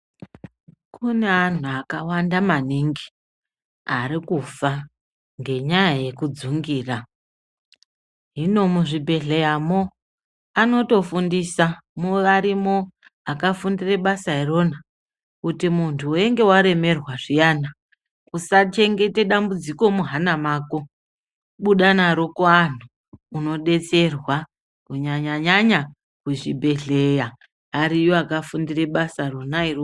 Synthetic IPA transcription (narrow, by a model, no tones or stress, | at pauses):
kʰune̞an̤uakawandamaniŋɡi | arikufa | ŋɡe̞ɲajaje̞kud͡zuŋɡiːra | ɦino̞muʐibʱe̞ɮe̞jamo | ano̞to̞fundisamuʋaɾimo̞ | akafundire̞ɓasaɦiro̞na | kutimuntʰuːeŋɡe̞waɾe̞me̞rwaʐijaːna | kusat͡ʃe̞ŋɡe̞te̞ɗambud͡ziko̞muɦanamaːko | ɓuɗanaɾo̞koan̤uː | no̞ɗe̞t͡se̞rwa | kuɲaɲaɲaɲa | kuʐḭbʱe̞ɮe̞ja | ɦaɾijoakafundire̞ɓasaronairo